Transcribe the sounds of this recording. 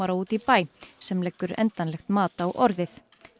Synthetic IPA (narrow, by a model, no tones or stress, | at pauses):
aɾauːt̪ipaːjsɛmlɛkːʏɾɛ̰nt̪anlɛxt̪maːt̪aːwʔɔɾðɪθ